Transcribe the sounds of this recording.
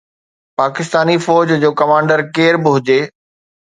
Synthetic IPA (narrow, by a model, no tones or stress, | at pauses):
paːkɪst̪aːnifɔːd͡ʑd͡ʑoːkɐmãːɳɖəɾkeːɾbɪɦʊd͡ʑeː